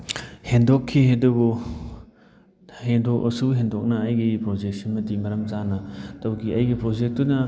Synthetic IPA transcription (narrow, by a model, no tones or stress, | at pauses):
hendɔkʰːihedɐbu | hendɔk̚ɐ̰suɦendɔk̚nɐːjɡipɾod͡ʒek̚sinmɐdimɐɾɐmzanɐtawɡiajɡipɾod͡ʒek̚tunɐ